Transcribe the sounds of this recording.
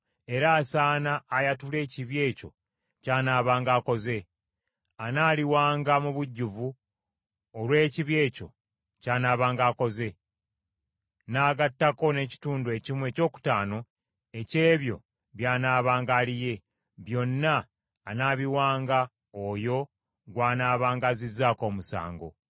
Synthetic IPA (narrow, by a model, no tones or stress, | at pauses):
e̞ɾaːsaːnaːjatule̞ːciβje̞ːco̞̰ | caːnaːβaːŋɡaːko̞ze̞ | anaːliwaːŋɡamuβuɟːuvu | olwe̞ːciβje̞ːco̞̰ | caːnaːβaːŋɡaːko̞ze̞ | naːɡatːako̞ne̞ːci̥tuːndue̞cimwe̞ːco̞ːku̥taːno̞ | e̞ce̞ːβjo̞̰ | βjaːnaːβaːŋɡaːlije̞ | βjo̞nːaː | naːβiwaːŋɡa | ojo̞ | ɡwaːnaːβaːŋɡazizːaːko̞ːmusa̰ːŋɡo̞̰